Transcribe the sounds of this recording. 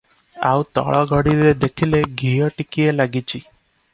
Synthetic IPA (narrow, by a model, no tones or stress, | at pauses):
a̰wt̪ɔ̰ɭɔɡʱɔɽiɾed̪ekʰileɡʱijɔʈikielaɡit͡ʃʰi